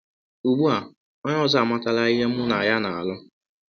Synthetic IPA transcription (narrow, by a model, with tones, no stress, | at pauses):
u˨ɡ͡bu˦a˨ | ɔ˦ɲɔ˦za˦a˨ma˦ta˦la˦i˦ɦe˦m̩˦ʊ˦na˨ja˦na˨a˨lʊ˦